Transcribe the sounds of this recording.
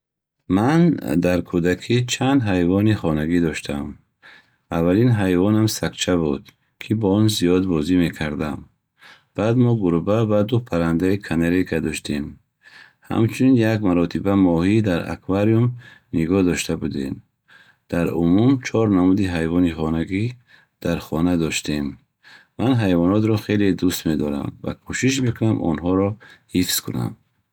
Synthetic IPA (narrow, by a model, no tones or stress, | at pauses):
mand̪aɾkʰud̪akʰit͡ʃʰand̪ɦajvɔniχɔnaɡid̪ɔʃt̪ʰam | avːalinɦajvɔnamsakt͡ʃʰabud̪̥ | kʰibɔɔnzijɔd̪bɔzime̞kʰaɾd̪am | b̥ad̪mɔɡuɾubavad̪upʰaɾand̪aikʰaneɾekad̪ɔʃt̪ʰem | ha̰mt͡ʃʰuninjakmaɾɔt̪ʰibamɔhid̪aɾa̰kʰvaɾiumniɡɔd̪ɔʃt̪ʰabud̪ḛm | d̪̥aɾumumt͡ʃʰɔɾnamud̪iɦajvɔniχɔnaɡi | d̪̥aɾχɔnad̪ɔʃt̪ʰem | manɦajvɔnɔt̪ɾɔχeled̪ust̪me̞d̪ɔɾa̰mva̰kʰuʃiʃ̬me̞kʰunamʔɔ̰nɦɔɾɔhifskʰuna̰m